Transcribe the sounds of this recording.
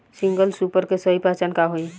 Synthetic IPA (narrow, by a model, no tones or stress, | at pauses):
sĩŋɡəlsupəɾkesəipat͡ʃankaɦoi